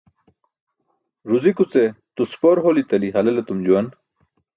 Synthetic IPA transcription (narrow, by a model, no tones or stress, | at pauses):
ɾuzikut͡set̪uspoɾɦolit̪ɐliɦɐlelet̪umd͡ʑuwɐn